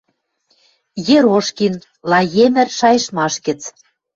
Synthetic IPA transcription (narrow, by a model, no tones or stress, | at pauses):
jeɾoʃkin | lɑjemɘ̆rʃɑjɤ̆ʃmɑʃɡɘ̆t͡s